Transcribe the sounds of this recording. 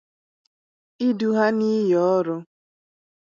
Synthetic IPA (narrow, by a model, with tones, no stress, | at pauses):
i˦du˦ɦa˦ni˦jɔ˦ɾʊ˦